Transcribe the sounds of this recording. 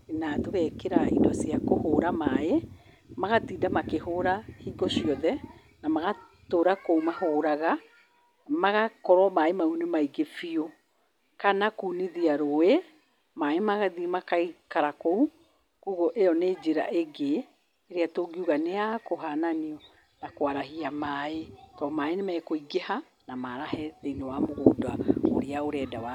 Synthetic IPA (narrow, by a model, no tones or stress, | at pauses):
enatoɣɛkeɾaḭdɔsiakohoːɾamae | maɣatiːdamakehoɾahiːɡɔsiɔðɛ | namaɣa | toːɾakoumahoːɾaɣa | maɣakɔɾɔmaemaunemaiɡefio | kanakuniðiaɾowe | maemaɣaðimakaikaɾakou | kuɣɔʔejɔneːd͡ʒeɾa̰ʔeɡeː | ɾeatoːɡiuɣaneakoɦananiɔ | nakoaɾaɦiamaetɔmaenemɛːkoiɡeha | namaɾahɛðeinewamoɣoːdao̰ɾeaoɾɛːdawa